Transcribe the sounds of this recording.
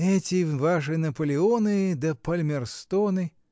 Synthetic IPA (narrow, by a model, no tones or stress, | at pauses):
ɛt͡sʲivaʂɨnɐpɐlʲɪɔnɨd̪ɐpɐlʲmʲɛrst̪ɔnɨ